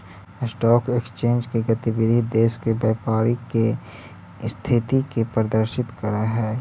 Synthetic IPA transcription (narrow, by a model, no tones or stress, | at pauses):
sʈɔːkekst͡ʃẽːnd͡ʒkeɡət̪ibɪd̪ʱid̪eːskebjɛːpaːɾike | st̪ʰɪt̪ikepɾəd̪əɾʃɪt̪kəɾaɦɛː